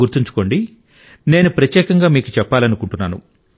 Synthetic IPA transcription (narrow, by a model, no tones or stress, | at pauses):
uɾt̪iɲt͡ʃu̥ko̞ːɳɖi | ne̞ːnupɾɐt̪jɛːkɐŋɡaːmiːkut͡ʃɛpːaːlɐnukuɳʈunːaːnṵ